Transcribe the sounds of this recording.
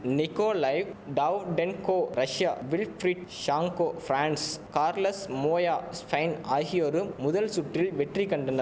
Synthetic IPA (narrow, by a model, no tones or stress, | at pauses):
nɪkoːlɐɪʋɖɐʋɖɛnkoːɾɐʂɪjaːʋɪlfɾiɖʃaːŋkoːfɾaːɳskaːɾlɐsmoːjaːspʰɐɪnaːɣɪjoɾɯmʊðɐlsʊʈrɪlʋɛʈrikːɐɳɖɐnɐ